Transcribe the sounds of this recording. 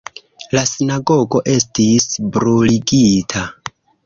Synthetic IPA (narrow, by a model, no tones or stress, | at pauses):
lasinaɡo̞ɡo̞ʔe̞stisbɾuliɡitʰa